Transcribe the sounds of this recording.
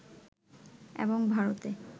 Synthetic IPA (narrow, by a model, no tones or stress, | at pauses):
ḛboŋbʱaɾot̪e